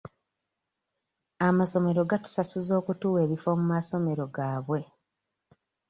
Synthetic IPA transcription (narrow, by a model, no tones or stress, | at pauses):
amaso̞me̞ɾo̞ɡatu̥sasuzo̞ːkutuːwe̞ːβifo̞mumaso̞me̞ɾo̞ɡaːβwe̞